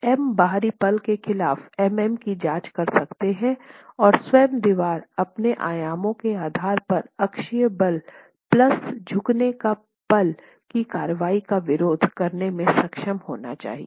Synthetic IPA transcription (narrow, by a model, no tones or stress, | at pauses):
ɛmbaːɦɾipɐlkexɪlaːfɛmɛmkid͡ʒãːt͡ʃkɐɾsɐkt̪eɦɛ̃ɔːɾswɛːmd̪ɪʋaːɾɐpneʔa̰ːjaːmõkeaːd̪ʱaːɾpɐɾɐkʃijəbɐl | plɐsd͡ʒʱʊkneka | pɐl | kikaːɾəʋaːikaʋɪɾoːd̪ʱkɐɾnemẽsɐkʃəmho̰ːna̰t͡ʃa̰ːɦḭe